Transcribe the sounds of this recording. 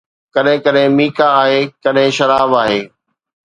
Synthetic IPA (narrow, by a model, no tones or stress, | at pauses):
kɐɗɦɪ̃kəɗɦɪ̃miːkaːɦeːkɐɗɦɪ̃ʃɐɾaːʋaːɦeː